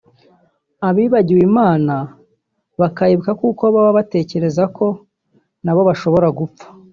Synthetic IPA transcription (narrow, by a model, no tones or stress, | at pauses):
aβiːβaɟiwimaːna | βakajeβukakukoβaβaβate̞ːce̞ɾe̞zakʰo̞ | naβo̞βaʃo̞βo̞ɾaɡup͡fḁ